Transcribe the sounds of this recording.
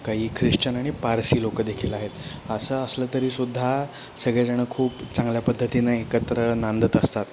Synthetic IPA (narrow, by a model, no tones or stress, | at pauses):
kaɦiːkʰɾiʂt͡ɕənaɽ̃ipaɾsiːlokəd̪ekʰiləaɦet̪ | əsəəslət̪əɾiːsud̪ʱːa | səɡɭjad͡zəɽ̃əkʰuːpt͡sãŋɡljapəd̪ʱːət̪inaekət̪ɾənand̪ʱət̪əst̪at̪